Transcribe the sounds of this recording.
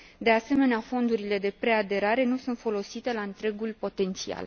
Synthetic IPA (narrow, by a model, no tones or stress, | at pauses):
d̪e̞ase̞me̞neafo̞nd̪uɾile̞d̪e̞pɾe̞ad̪e̞ɾaɾe̞nusunt̪fo̞lo̞sit̪e̞laɨnt̪ɾe̞ɡulpo̞t̪e̞nt̪sia̰l